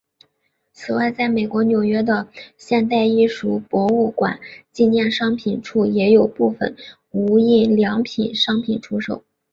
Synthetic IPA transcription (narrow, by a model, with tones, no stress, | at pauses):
t͡sʰɹ̩˨˩wa˥˧ɪt͡sa˥˩ɪme˨˩ɪkwɔ˧˥njo˨˩ʊɥɛ˥d̪ə˧ɕjɛ˥˧nt̪̬a˥˧ɪi˥˩ʂu˨˥˩pwɔ˧˥u˥˩kwa̰˨˩˦nt͡ɕi˥˧njɛ˥˩nʂɑ˥ŋpʰi˨˩nʈ͡ʂʰu˥˩jɛ˧˥jo˨˩ʊpu˥˩fə̰˨˩n | u˧˥i˥˩ljɑ˧˥ŋpʰi˨˩nʂɑ˥ŋpʰi˨˩nʈ͡ʂʰu˥ʂo˨˩ʊ